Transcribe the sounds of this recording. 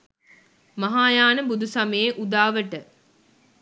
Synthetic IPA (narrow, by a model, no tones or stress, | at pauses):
mɐɦaːjaːnəbud̪usɐməjeʔud̪aːʋəʈə